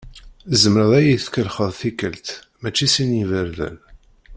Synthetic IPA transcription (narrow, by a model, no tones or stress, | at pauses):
zəmɾəðˤæjiθkəlχəðˤθikːəlt̪ | mæt͡ʃːisinivəɾðə̰n